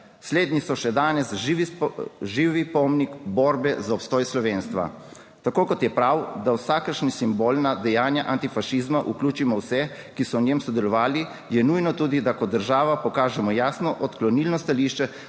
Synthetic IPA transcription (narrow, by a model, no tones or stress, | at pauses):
sleːd̪nisɔʃɛd̪aːnɛsʋiʒiːʋipɔmnikbɔːɾbɛzaɔpst̪ɔːjslɔʋeːnst̪ʋa̰ | t̪akoːkɔt̪jɛpɾawd̪awsaːkəɾʃnisimboːlnad̪ɛjaːnjaʔant̪ifaʃizmaʔuklʲuːt͡ʃimɔwsɛkisɔwnʲjemsɔd̪ɛlɔʋaːli | jɛnujnɔt̪uːd̪id̪akɔd̪əɾʒaːʋapɔkaːʒɛmɔjaːsnɔʔɔt̪klɔniːlnɔst̪aliʃt͡ʃɛ